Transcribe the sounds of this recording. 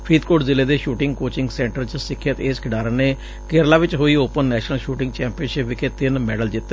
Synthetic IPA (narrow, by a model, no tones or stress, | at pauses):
pʰɾiːt̪koːɖzɪleːd̪eːʃuːʈɪ̃ŋɡkoːt͡ʃɪŋɡsɛ̃ːɳʈəɾt͡ʃəsɪkʰːjət̪eːskʰɪɖaːɾəneː | keɾlaːʋɪt͡ʃɦoːiːoːpənːɛːʃnəlʃuːʈɪ̃ŋɡt͡ʃɛ̃ːmpiənʃɪpʋɪkʰeːt̪ɪnmɛːɖəld͡ʒɪt̪ː